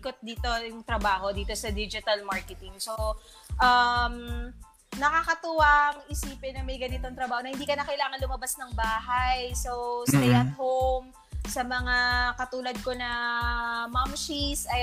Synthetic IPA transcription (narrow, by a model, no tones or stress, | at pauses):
kot̪̚d̪iːt̪o̞jʊŋt̪ɾɐbaːho̞d̪iːt̪o̞sɐd̪id͡ʒɪt̪ɐlmaɹkɛt̪ɪŋso | ʔɐm | nɐkakɐt̪ʊwɐʔɐŋɪsiːpɪnɐŋmɐjɡɐnɪt̪oŋt̪ɾɐbaːhoɐhɪnd̪iːkɐnɐkɐʔɪlaːŋɐnlʊmɐbasnɐŋbaːɦɐjsosejɐt̪̚howm | sɐmɐŋakɐt̪uːlɐd̪̚ko̞nɐ | mamʃisɐ